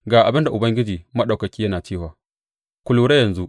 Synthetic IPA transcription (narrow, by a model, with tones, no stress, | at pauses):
ɡaː˨ʔa˨bɪ˦nda˨ʔʊ˨bɐ˦ŋɡʲɪ˦d͡ʒiː˨mɐ˦ɗa˨wkɐ˨kʲiː˦jɐ˦naː˨t͡ʃiː˦waː˨ | kʷʊ˨˦luː˦ɽe˦jɐ˨nzu˦ʔ